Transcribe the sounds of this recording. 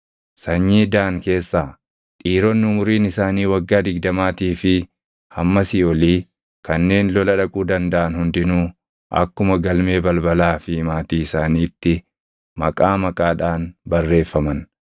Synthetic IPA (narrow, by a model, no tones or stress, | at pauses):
sɐɲːiːd̪aːŋke̞ːsːaː | ᶑʼiːɾɔnːɪʊmʊɾiːnɪsaːniːwɐɡːaːd̪ɪɡ̚d̪ɐmaːt̪iːfɪ | hɐmːɐsɪɔliː | kɐnːe̞ːnlɔlɐᶑɐkʼuːd̪ɐnd̪ɐʔɐnhʊnd̪ɪnuː | ʔɐ̰kːʊmɐɡɐlme̞ːbɐlbɐlaːfɪmaːt̪iːɪsaːniːt̪ːɪ | mɐkʼaːmɐkʼaːᶑaːnbɐrːe̞ːfːɐmɐn